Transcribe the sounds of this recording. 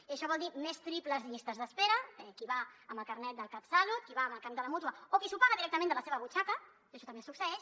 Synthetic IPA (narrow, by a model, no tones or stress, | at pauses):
iəʃɔβɔlˠd̪imest̪ɾipləzʎist̪əzðəspeɾəɛkiβaəmbəlˠkəɾnɛt̪̚d̪əlˠkapsalut̪̚kiβaəməlˠkamd̪ələmut̪wəokisupaɣəðiɾɛk̚t̪əmẽnd̪ələseβəβut͡ʃakə | əʃɔt̪əmesuksəɛʃ